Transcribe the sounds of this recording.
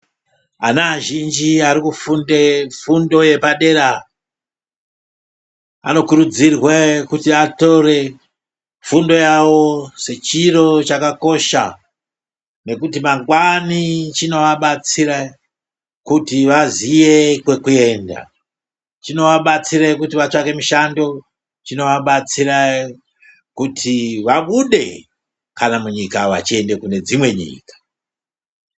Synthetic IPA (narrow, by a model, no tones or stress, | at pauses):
anaʒind͡ʒiaɾikufundefundo̞je̞paɗe̞ɾa | a̰no̞kuɾud͡zirwekutiato̞re̞ | fundo̞jawo̞se̞t͡ʃiro̞t͡ʃakako̞ʃa̰ | ne̞kutimaŋɡwanit͡ʃino̞ʋaɓat͡siɾa | kutiʋazije̞kwe̞kue̞ːnda̰ | t͡ʃino̞ʋaɓat͡siɾakutiʋat͡ʂake̞miʃando̞ | t͡ʃino̞ʋaɓat͡siɾa | kutʰiʋaɓuɗe̞̰ | kanamuɲikaʋa̰t͡ʃie̞nde̞kune̞d͡zimwe̞ɲḭːkḁ